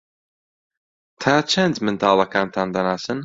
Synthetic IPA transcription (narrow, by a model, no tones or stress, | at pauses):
t̪ʰaːt͡ʃʰɐnd̪mɨnt̪ʰaːlˠɐkaːnt̪ʰaːnd̪ɐnaːsɨn